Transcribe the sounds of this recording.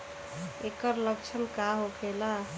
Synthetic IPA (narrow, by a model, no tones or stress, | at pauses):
ekəɾləkt͡ʃʰəmkaɦokʰela